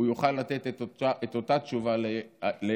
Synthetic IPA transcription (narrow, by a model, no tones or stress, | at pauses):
ujuχalːat̪et̪ettaʔet̪o̞tat̪ʃuvalele